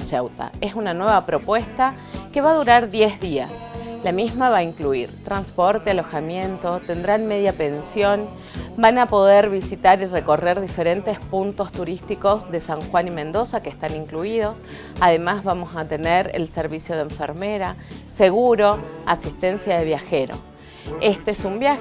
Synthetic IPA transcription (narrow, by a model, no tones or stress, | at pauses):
t͡ʃewt̪a̰esunanwe̞βapɾo̞pwe̞st̪a | keβaðuɾaɾðjezðia̰slamizmaβaiŋkluiɾt̪ɾanspoɾt̪ealo̞xamje̞nt̪o̞t̪e̞nd̪ɾanme̞ðjape̞nsjo̞n | banapo̞ðe̞ɾβisit̪aɾire̞ko̞reɾðife̞ɾe̞nt̪espunt̪o̞st̪uɾist̪iko̞zðe̞saŋxwanimẽ̞nd̪osakeest̪aniŋkluið̞o̞s | aðe̞mazβamo̞sat̪e̞neɾḛlseɾβ̞isjo̞ð̞eɱfeɾme̞ɾase̞ɣuɾo̞asist̪e̞nsjaðe̞β̞jaxe̞ɾo̞̰ | est̪esumbja